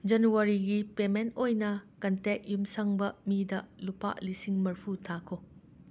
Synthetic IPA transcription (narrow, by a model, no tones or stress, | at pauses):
d͡ʒɐnuaɾiɡipementojnɐkɐntek̚jumsɐŋbɐmidɐlupa̰ʔlisiŋmɐɾpʰutʰakʰo